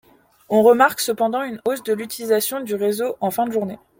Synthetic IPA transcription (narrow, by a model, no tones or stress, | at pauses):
ɔ̃ʁəmaʁksəpɑ̃d̪ɑ̃ynosd̪əlyt̪ilizasjɔ̃d̪yʁezoʔɑ̃fɛ̃d̪əʒuʁne